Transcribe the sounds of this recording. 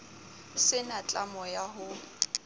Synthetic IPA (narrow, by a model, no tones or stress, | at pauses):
sɪnat͡ɬʼamɔjaɦʊ